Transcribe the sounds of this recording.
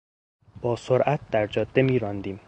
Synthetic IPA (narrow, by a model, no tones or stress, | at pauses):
b̥ɒːsoɾʔæt̪̚d̪̥æɾd͡ʒɒːd̪̥ːemiːɾɒːnd̪iːm